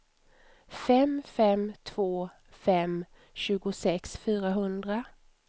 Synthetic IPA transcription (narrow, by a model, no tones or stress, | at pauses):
fɛmfɛmt̪ʰv̥oː | fɛm | ɕʉ̟ːɡʊsɛksfyːɾaɦɵnd̪ɾa